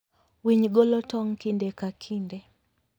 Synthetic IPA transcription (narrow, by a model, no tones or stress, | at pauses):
wiɲɡɔlɔtɔŋkindɛkakʰindɛ